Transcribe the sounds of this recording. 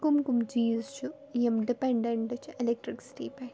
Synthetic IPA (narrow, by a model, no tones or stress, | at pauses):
kumkumd͡ʒiːzt͡ʃu | jemɖipeɳɖeɳʈɐt͡ʃelek̚ʈɾiksʈiːpe